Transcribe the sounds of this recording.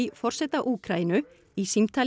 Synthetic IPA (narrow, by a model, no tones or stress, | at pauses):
ifɔr̥sɛt̪aʔuːkʰɾaːjnʏ | isimt̪ʰal